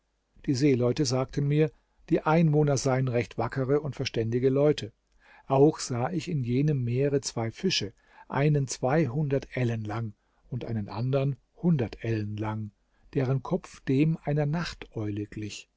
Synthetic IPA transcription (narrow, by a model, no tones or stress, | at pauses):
d̥iːzeːlɔʏtəzaːk̚tʰən̩miːɐ | d̥iːʔaɪnvoːnɐzaɪənʁɛçtv̥akʰəʁəʊntfɛɐʃtɛndɪɡəlɔʏtʰə | ʔaʊxz̥aːʔɪçɪnjeːnəmːeːʁət͡sv̥aɪfɪʃə | ʔa̰ɪnənt͡sv̥aɪɦʊndɐtʔɛlənlaŋ | ʊntʔa̰ɪnənʔa̰ndɐʁən | hʊndɐtʰʔɛlənlaŋ | d̥eːʁənkʰɔp͡fd̥eːmʔaɪnɐnaχtʔɔʏləɡ̥lɪç